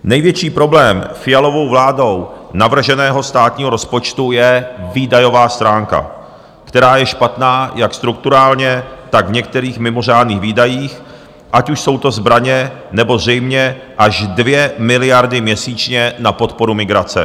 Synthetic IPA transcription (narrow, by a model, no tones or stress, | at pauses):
nɛjvjɛt͡ʃiːpɾo̞blɛːmfɪjalo̞vo̞wvlaːdo̞wnavr̩ʒɛnɛːɦo̞st̪aːt̪ɲiːɦoɾo̞spo̞t͡ʃt̪ujɛviːdajo̞vaːst̪ɾaːŋka̰ | kt̪ɛɾaːjɛʃpat̪naːjakst̪ɾuk̚t̪uɾaːlɲɛt̪aɡvɲɛk̚t̪ɛɾiːxmɪmo̞r̝aːdniːɣviːdajiːx | ʔacuʃso̞wt̪o̞zbɾaɲɛnɛbo̞zrɛjmɲɛ | ʔaʒdvjɛmɪlɪjaɾdɪmɲɛsiːt͡ʃɲɛnapo̞t̪po̞ɾumɪɡɾat͡sɛ̰